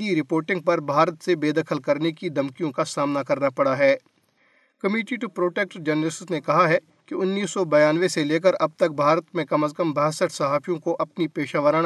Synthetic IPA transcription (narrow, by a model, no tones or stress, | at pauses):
iɾɪpoːɾʈɪ̃ŋɡ̚pɐɾbʱaːɾət̪sebeːd̪ɐkʰəlkɐɾnekid̪ɐmkijõkasaːmnakɐɾnapɐɽaɦɛː | kɐmiːʈiʈupɾoːʈeːk̚ʈd͡ʒɛnɾɪssnekɐɦaɦɛ | kiʊnːiːsːɔbɐjaːnʋeseleːk̬əɾɐb̚t̪ɐk̚bʱaːɾət̪mẽkɐməskɐmbɐɦsəʈʰsɐɦaːfʰijõkoʔɐpnipeːʃaːʋəɾaː